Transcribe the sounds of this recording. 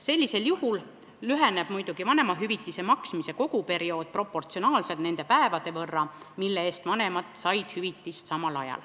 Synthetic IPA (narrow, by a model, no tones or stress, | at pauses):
se̞lʲːise̞ljuhul | lyɦe̞neb̥mujd̪̥uɡ̥ivɑne̞mɑɦyvit̪ːise̞mɑksmise̞ko̞ɡ̥upe̞ɾio̞ːd̪̥̚pro̞pːˑo̞rt̪sionɑːlse̞lt̪nend̪epæe̞vɑd̪̥e̞vɤrːɑ | milːeeːst̪vɑne̞mɑt̪ˑsɑjd̪̥hyvit̪ːˑist̪sɑmɑlɑ̰jɑ̰l